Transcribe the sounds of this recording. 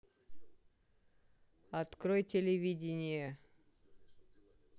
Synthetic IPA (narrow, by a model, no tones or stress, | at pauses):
ɐt̪krojtʲelʲevʲidʲɪnʲɪjə